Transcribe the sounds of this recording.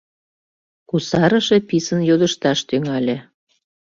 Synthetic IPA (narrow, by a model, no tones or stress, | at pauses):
kusɑɾə̆ʃepisənjod̪əʃt̪ɑʃt̪yŋɑlʲĕ